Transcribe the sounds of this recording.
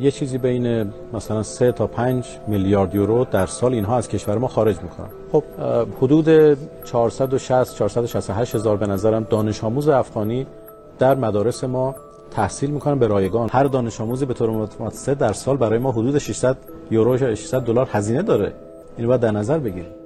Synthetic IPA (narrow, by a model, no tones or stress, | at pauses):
jet͡ʃʰiːziːbejne | mæsælænset̪ʰɒːpʰænd͡ʒ | miljɒːɾd̪joɾod̪æɾsɒːliːnɦɒːæz̥cʰe̞ʃvæɾemɒːxɒːɾe̞d͡ʒmiːkʰonæ̰nxob̥̚hod̪uːd̪et͡ʃʰɒɾsæd̪o̞ʃæst̪t͡ʃʰɒːɾsæd̪oʃæst̪oɦæʃt̪he̞zɒːɾbe̞næzæɾæmd̪ɒːne̞ʃɒːmuːzeæfɡɒːniː | d̪̥æɾmæd̪ɒːɾe̞semɒː | t̪ʰæhsiːlmiːkʰonæmbeɾɒːjeɡɒːnhæɾd̪ɒːne̞ʃɒːmuːziːbe̞t̪ʰoːɾemot̪ʰmɒt̪ʰsed̪æɾsɒːlbæɾɒːjemɒːɦod̪uːd̪eʃiʃsæd̪ | joɾoʃʃi̥ʃsæd̪ːolɒːɾhæziːned̪ɒːɾḛ | iːnbɒːjæd̪æɾnæzæɾbe̞ɟiːɾim